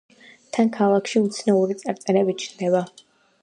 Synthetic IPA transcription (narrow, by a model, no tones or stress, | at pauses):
t̪ʰankʰalˠakʰʃiut̪sʰnauɾit̪sʼaɾt̪ʼɛnɛbit͡ʃʰnd̪ɛba